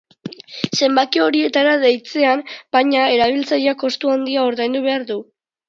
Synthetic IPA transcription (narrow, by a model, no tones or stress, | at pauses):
se̞mbakio̞ɾie̞t̪aɾaðejt͡se̞ambajɲae̞ɾaβ̞ilt͡sajako̞st̪uand̪iaoɾðajnd̪uβ̞e̞aɾðu